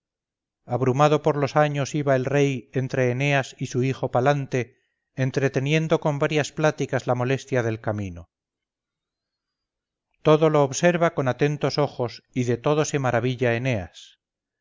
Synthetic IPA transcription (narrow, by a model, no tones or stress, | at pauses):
aβɾumað̞o̞po̞ɾlo̞saɲo̞siβae̞lre̞je̞nt̪ɾe̞ːne̞asisuixo̞palant̪e̞ː | nt̪ɾe̞t̪e̞nje̞nd̪o̞ko̞mbaɾjasplat̪ikazlamo̞le̞st̪jaðe̞lkamino | t̪o̞ðo̞lo̞ːβse̞ɾβako̞nat̪e̞nt̪o̞so̞χo̞siðe̞t̪o̞ðo̞se̞maɾaβ̞iʎaene̞a̰s